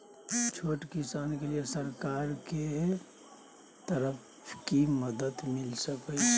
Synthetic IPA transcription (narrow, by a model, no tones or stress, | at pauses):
t͡ʃʰoʈkisaːnkelijesəɾkaɾke | t̪əɾəp | kiməd̪əd̪milsəkə